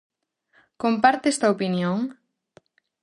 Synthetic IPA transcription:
kompaɾt̪est̪ɐopinjoŋ

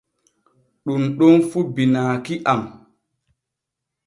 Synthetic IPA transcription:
ɗunɗɔnfubinaːkiʔam

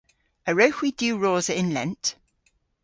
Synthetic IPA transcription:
əɹəʊxwidjʉːɹɔːzəɪ̃nlɛ̃nt

